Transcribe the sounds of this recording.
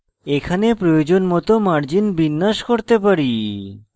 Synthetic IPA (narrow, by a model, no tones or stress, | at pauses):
ekʰanepɾojod͡ʑonmɔt̪omaɾd͡ʑinbinːaʃkoɾt̪epaɾi